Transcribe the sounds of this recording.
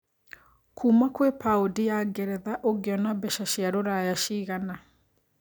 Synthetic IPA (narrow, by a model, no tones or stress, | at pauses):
kʰuːmakwepaodijaɡɛɾɛðaʔoɡeɔnabɛʃaɕjaɾoɾajaʃiɣana